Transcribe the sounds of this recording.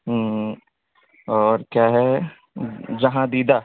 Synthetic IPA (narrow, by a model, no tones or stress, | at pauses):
ɦ | ɔːɾkjaːɦɛ | d͡ʒɐɦãd̪iːd̪aː